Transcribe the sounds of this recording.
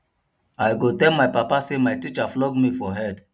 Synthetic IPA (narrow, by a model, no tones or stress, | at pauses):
ajɡotɛlmajpapasemajtit͡ʃaflɔɡmifɔɦɛd